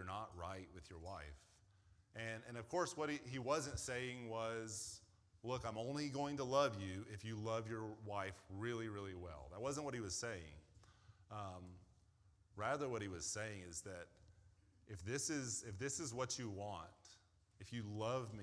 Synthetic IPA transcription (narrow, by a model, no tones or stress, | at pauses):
ə˞nəʔ̚ɹa̰ɪt̚wɨðjə˞waɪf | ʔɨ̃nɨ̃nʌv̥kʰɔɹswʌt̚iiwʌzɨ̃ntseɪɪ̃ŋwʌz̥ | lʊkãɪ̃mõʊ̃nliɡoʊɪ̃ŋtəlʌvjʉɪfjɨlʌvjə˞waɪfɹɪlˠiɹɪlˠiwɛ̰lˠðət̚wʌzə̃nʔ̚wʌɾ̚hiwʌz̥seɪɪ̰̃ŋ | ʌ̃m | ɹæðə˞wʌt̚hiwʌz̥seɪɪ̃ŋɪzðɨɾ | ʔɨfðɪsɪzɨfðɪsɨzwʌt͡ʃɨwɑ̃nt | ɨfjɨlʌvmi